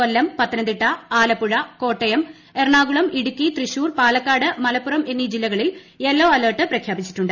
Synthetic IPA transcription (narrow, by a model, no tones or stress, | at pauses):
olːɐmpɐt̪ːɐnɐnd̪iʈːɐaːlɐpːuɻɐko̞ːʈːɐjɐm | erɳaːɣuɭɐmiɽukːit̪riɕuːrpaːlɐkːaːɽɨmɐlɐpːurɐmʔe̞nːid͡ʑilːɐɣɐɭil | e̞lːoːɐlɐːʈːɨprɐkʰjaːbit͡ɕːi̥ʈːuɳɖɨ